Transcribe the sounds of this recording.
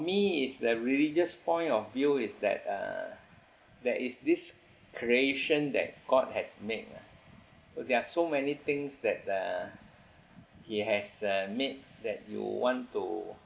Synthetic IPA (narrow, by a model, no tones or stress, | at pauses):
fɔmiisdəɹilid͡ʒəspɔ̃ɪ̃ntɔfvjuɪsdɛ̰t̚ʌ̰ | dɛʔisdis | kʰɹieʃə̃ndɛ̰t̚ɡ̥ɔd̚hɛsmek̚a̰ | sodɛasomɛnit̪ɪ̃ŋsdɛt̚ʌ̰ | hiɦɛsʌmet̚dɛt̚jṵwɔ̃ntu